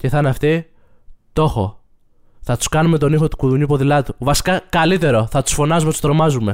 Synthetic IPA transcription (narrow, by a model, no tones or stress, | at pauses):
ce̞θɐneɐft̪i | t̪o̞xo̞̰ | θɐt̪u̥skɐnume̞t̪onixo̞t̪u̥kuðuɲupo̞ðilɐt̪uvɐsi̥kɐkɐlit̪e̞ɾo̞θɐt̪u̥sfo̞nɐzumet̪ust̪ɾo̞mɐzume̞